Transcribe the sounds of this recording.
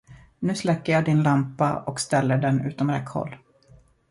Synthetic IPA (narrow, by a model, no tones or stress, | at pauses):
nʉ̟ːslɛkːəjɑːd̪ɪnlampa̰ɔkst̪ɛlːəɖɛnʉ̟ːt̪ɔmɾɛ̰khɔ̰lː